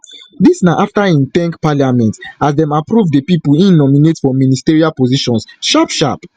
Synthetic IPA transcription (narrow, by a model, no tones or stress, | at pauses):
disnaʔaftaĩnθɛ̃ŋkpaljamɛ̃ntasdɛ̃mapɹuvdepipulĩnːɔminetfɔministeɹialpoziʃɔ̃nsʃapʃa̰p